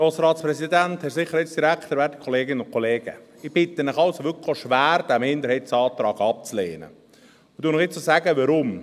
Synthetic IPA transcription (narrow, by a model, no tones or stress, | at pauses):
oːsɾɑːt̪spɾɛsid̪ænt̪hɛsɪχəɾhɪt͡sd̥iɾækt̪əɾvæːdi̥kʰɔleːɡɪnənʊnkʰɔleːɡ̥ə̰ɪb̥ɪt̪ːənɪχɑlsoʋʏkʰoʃvæːɾd̥æmɪnd̪əɾhɛtsɑːt̪ɾɑːɡɑp̚t͡sleːnə̰ | ʊd̥̪uːnɪχɪt͡sosæɡəʋɑɾʊm